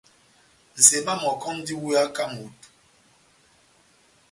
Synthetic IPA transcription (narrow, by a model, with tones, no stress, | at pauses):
n̩˨se˨ma˦mɔ˨kɔ˦n˦di˦wu˦ja˦ka˦mu˨˦t